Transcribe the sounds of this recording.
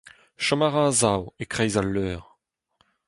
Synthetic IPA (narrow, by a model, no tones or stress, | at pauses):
ʃamaʁãzawekχɛjzalːœːʁ